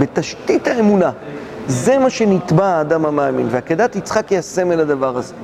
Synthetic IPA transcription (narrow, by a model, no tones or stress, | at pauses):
be̞t̪aʃtithaemuna | ze̞maʃe̞nit̪baaːdamamaːminveaked̪at̪it͡sχakjejase̞melad̪avaʁaze